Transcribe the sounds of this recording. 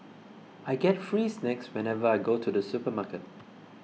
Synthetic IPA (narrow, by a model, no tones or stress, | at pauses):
aɪɡɛtfɹiːsnɛkswɛ̃nɛvəaɪɡotʰudəsupəmakət̚